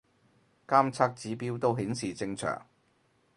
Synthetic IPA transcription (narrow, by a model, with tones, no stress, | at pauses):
kaː˥mt͡sʰaː˧k̚t͡siː˨˥piː˥wt̪o˧wɦiː˨˥nsiː˨t͡sɪ˧ŋt͡ʃʰœ̰ː˨˩ŋ